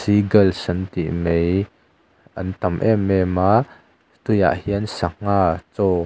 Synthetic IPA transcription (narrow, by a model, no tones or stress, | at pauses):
siɡɐlsɐnt̪ḭʔmej | ʔɐnt̪ɐmʔɛmɛma | t̪ʊja̰ʔhiənsɐŋ̥aːt͡sɔ